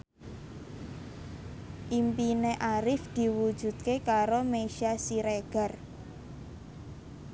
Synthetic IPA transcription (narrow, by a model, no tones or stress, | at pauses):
ʔimpineʔaɾɪfd̪̥i̤wu̥ʒ̥ṳd̪̥̚kekaɾomeʃiasiɾeɡ̥a̤r